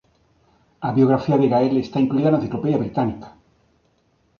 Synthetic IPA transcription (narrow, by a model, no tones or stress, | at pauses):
aβjo̞ɣɾafiaðeɣaelest̪aiŋkluiðanãnθiklo̞pe̞ðjaβɾit̪anikḁ